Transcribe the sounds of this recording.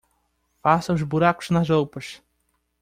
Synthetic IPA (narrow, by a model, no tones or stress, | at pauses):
fasɐʊzbuɾakʊ̥znɐzowpɐʃ